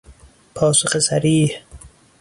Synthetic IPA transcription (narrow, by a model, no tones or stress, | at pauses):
pʰɒːsoχesaɾiːh